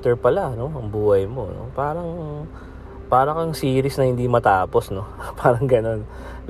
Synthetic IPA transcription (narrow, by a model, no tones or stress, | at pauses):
t̪ɛɹpɐlano̞ɐŋbuːhɐjmo̞̰no̞̰paːɾɐŋ | paːɾɐkɐŋsiːɾɪsnɐhɪnd̪imɐt̪aːpo̞sno̞pʰaːɾɐŋɡɐno̞n